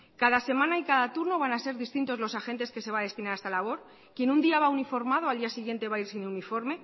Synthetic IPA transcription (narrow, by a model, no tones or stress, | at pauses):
kaðase̞mãnaikaðat̪uɾno̞β̞anase̞ɾðist̪int̪o̞zlo̞saxe̞nt̪e̞ske̞se̞βaðe̞st̪inaɾaest̪alaβ̞o̞ɾ | kje̞nund̪iaβaunifo̞ɾmað̞oald̪iasiɣ̞je̞nt̪e̞βaiɾsineunifo̞ɾme̞